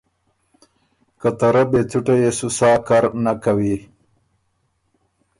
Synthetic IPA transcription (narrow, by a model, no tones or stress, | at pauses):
kat̪ɐɾabet͡s̪ʰuʈejesusaːkaɾnakawi